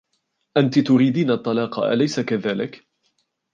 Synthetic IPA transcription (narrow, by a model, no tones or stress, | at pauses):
ʔant̪ɪt̪ʊɾiːd̪iːnat̪ˤːɑlɑːqɑ̰ʔa̰lajsakaðaːlɪk